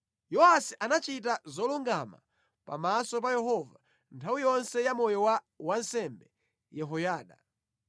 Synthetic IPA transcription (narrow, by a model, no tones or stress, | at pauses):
jɔasiʔanat͡ʃit̬azɔluŋɡama̰ | pa̰masɔp̬ajɛɦɔva | ntʰawijɔnsɛjamɔjɔwa | wansɛmbɛ | jɛɦɔjaːɗa